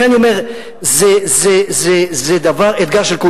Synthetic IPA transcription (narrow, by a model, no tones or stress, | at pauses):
aniomeʁ | zezezezed̪avaʁet̪ɡaʁʃelku